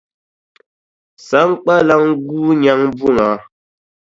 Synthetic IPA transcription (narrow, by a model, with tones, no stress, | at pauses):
sa˨˦ŋ˦k͡pa˦la˦ŋɡuː˦ɲa˦ŋbu˦˨ŋa˨˦